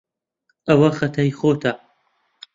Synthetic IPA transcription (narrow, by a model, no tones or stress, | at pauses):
ɐwɐxɐt̪ʰɐjxoːt̪ʰɐ